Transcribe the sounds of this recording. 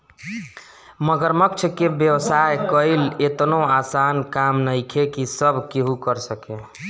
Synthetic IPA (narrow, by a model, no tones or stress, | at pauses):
məɡəɾmək̚t͡ʃʰkebjəwsaekəɪlet̪noasankamnəɪkʰekisəbʱkeɦukəɾsəke